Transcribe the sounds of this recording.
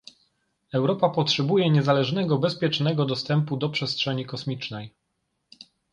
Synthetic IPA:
ɛwɾɔpapɔtʂɛbujɛɲɛzalɛʐnɛɡɔbɛspʲjɛt͡ʂnɛɡɔd̪ɔst̪ɛmpud̪ɔpʂɛstʂɛɲikɔsmʲit͡ʂnɛj

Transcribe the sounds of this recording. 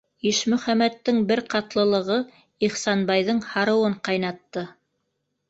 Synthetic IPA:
iʃmɵ̆χæmæt̪ːɘŋbɘɾqɑt̪lˠɤ̆lˠɤ̆ʁɤ | iχsɑnbɑjðɤɴhɑɾɤ̆wɤɴqɑjnɑt̪ːɤ

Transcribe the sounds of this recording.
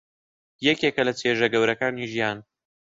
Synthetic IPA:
jɛkeːkɐlɐt͡sʰeːʒɐɡɐwɾɐkaːniʒijaːn

